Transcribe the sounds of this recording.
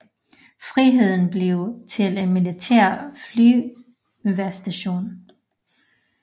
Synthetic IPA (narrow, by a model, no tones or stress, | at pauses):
fʁiɦe̝ð̞̰ˠn̩b̥le̝ʊt͡sʰe̝le̝nmilit͡sʰæ̰ɐ̰flyː | ʋæɐsd̥æɕo̝̰ːn